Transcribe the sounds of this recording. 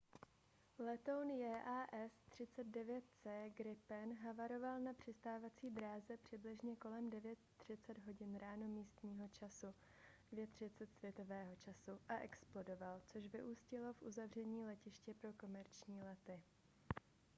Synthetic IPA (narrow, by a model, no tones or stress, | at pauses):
lɛt̪o̞wnjɛːʔaːʔɛst̪r̝̥ɪt͡sɛd̪̚dɛvjɛt̪̚t͡sɛːɡɾɪpɛnɦavaɾo̞valnapr̝̥ɪst̪aːvat͡siːbɾaːzɛpr̝̥ɪblɪʒɲɛko̞lɛmdɛvjɛt̪̚ːr̝̥ɪt͡sɛd̪ɦo̞ɟɪnɾaːno̞miːst̪ɲiːɦo̞t͡ʃasu | dvjɛt̪r̝̥ɪt͡sɛt̪svjɛt̪o̞vɛːɦo̞t͡ʃasuʔaʔɛksplo̞do̞valt͡so̞ʃvɪʔuːscɪlo̞fʔuzavr̝ɛɲiːlɛcɪʃcɛpɾo̞ko̞mɛɾt͡ʃɲiːlɛt̪ɪ